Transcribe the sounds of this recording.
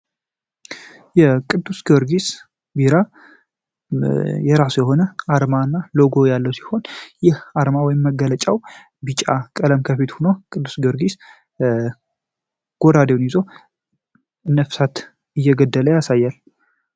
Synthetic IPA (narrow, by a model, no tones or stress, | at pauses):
jɛkʼɨd̪ːusɡoɾɡis | biɾa | jɛɾasujɛɦo̞nəaɾmaɨnːaloɡo̞jalːəwsi̥ho̞njɛhaɾmawɔjɪmːəɡələt͡ʃʼaw | bit͡ʃʼakʼələmkʰəfit̪hunokʼɨd̪ːusɡoɾɡis | ɡ̥od̪ad̪ewnjizo̞ | ɨnːəfsat̪ | ɨjːɛɡəd̪ːələjasajːal